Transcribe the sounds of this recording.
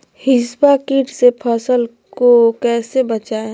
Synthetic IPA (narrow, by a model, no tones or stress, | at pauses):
hɪsbakiːʈsepʰəsəl | kokɛːsebət͡ʃaːe